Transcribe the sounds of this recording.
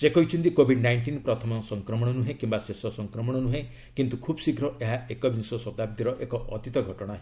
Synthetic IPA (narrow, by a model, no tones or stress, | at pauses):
sekɔɦit͡ʃʰɔnt̪ikobʱiɖnajɳʈinpɾɔt̪ʰɔmɔsɔŋkɾɔmɔɽ̃ɔnuɦekimbasesɔsɔŋkɾɔmɔɽ̃ɔnuɦẽ | kint̪ukʰubsikɾɔʔeɦaekɔbinsɔsɔt̪ab̚d̪iɾɔʔekɔʔɔ̰t̪it̪ɔɡʱɔʈɔɽ̃aɦe